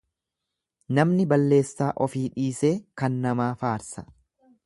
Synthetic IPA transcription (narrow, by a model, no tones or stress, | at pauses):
nɐmnɪbɐlːe̞ːsːaːʔɔfiːᶑiːse̞ːkɐnːɐmaːfaːɾsɐ̥